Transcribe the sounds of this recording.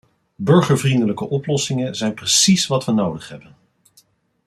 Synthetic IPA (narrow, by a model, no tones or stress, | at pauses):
bɵɹχəɹvrindələkəʔɔplɔsɪŋənzɛjnprəsisʋɑtʋənowdəχɦɛbən